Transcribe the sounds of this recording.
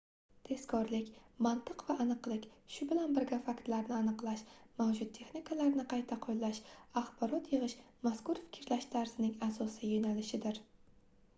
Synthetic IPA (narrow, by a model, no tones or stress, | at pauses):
t̪ʰe̞skʰɒɾlɪkʲmant̪ʰɨqvaʔːnɨqlˠɪkʲʃʊbɪlanbɪɾɡʲafakʲt̪laɾnɪanɨqlˠaʃmawd͡ʒʊd̪̚t̪ʰe̞χnikʰalaɾnɪqʰɑjt̪ʰaqʰojlaʃaχbɒɾɒt̪jɨʁɨʃ | maskʊɾfɪ̥kʲʰɾlaʃt̪ʰaɾzɪnɪŋasɒsijonalɪʃɪd̪ɪɾ